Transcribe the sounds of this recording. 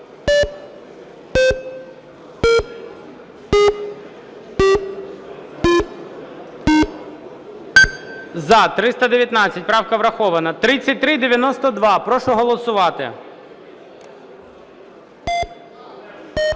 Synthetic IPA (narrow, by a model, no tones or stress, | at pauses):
zɐt̪ɾɪst̪ɐd̪eʋjɐt̪nɑt͡sʲːɐtʲpɾɑwkɐʋɾɐxɔʋɐnɐt̪ɾɪt͡sʲːɐt̚ʲt̪ɾɪd̪eʋʲjɐnɔst̪ɔd̪ʋɑpɾɔʃɔɦɔlˠɔsʊʋɑt̪ɪ̰